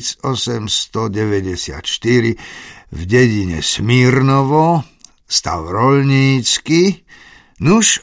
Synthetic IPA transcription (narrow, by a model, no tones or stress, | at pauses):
t͡sɔsɛmst̪ɔɟɛʋɛɟɛsɪa̰t̪ʃt̪iɾivɟɛɟiɲɛ̰smiɾnɔʋɔ | st̪a̰ʊɾɔlɲiːt͡ski | nuʃ